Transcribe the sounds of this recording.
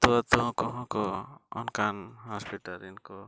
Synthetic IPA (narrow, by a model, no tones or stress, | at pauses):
t̪uat̪ɔ̃kɔɦɔ̃kɔɔnkanhɔspiʈaɾinkɔ